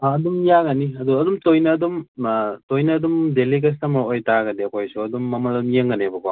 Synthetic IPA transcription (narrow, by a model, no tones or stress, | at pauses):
aɐdumjaɡɐniɐduɐdumtojnɐːdumtojnɐːdumdelik̬es̬tɐmɐojtaɡɐdiɐkʰojsuɐdumːɐmɐlɐdumjeŋɡɐnebɐka̰